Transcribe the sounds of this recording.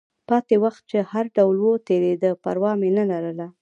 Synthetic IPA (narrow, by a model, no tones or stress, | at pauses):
pɑt̪ewaxt̪̚t͡ʃehaɾɖawlwot̪eɾed̪əpa̰ɾwɑmenəlaɾəla